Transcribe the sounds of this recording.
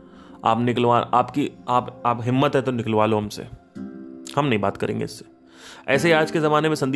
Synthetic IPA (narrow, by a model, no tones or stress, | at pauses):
a̰ːpnɪklʋaːʔaːpkiaːpaːpɦɪmːət̪ɦɛt̪onɪkəlʋaːloɦɐmsḛ | hɐmnɐɦĩbaːt̪kɐɾḛ̃ːŋɡḛɪsːe̥ | ɛ̰ːseiaːd͡ʒkezɐmaːnemẽsɐ̃nd̪i